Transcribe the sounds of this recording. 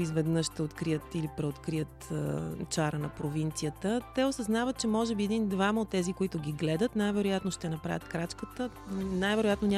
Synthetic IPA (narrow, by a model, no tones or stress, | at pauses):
izvɛd̪nɤʃt̪ɛot̪kɾijət̪ilipɾɛot̪kɾijət̪t͡ʃaɾənɐpɾovint̪sijət̪ət̪ɛosɐznavət̪̚t͡ʃɛmɔʒɛbiɛd̪ind̪vaməot̪ːɛzikoit̪ʊɡʲiɡlɛd̪ət̪najvɛɾojat̪noʃt̪ɛnɐpɾavʲjət̪kɾat͡ʃkət̪ə | najvɛɾojat̪nonʲ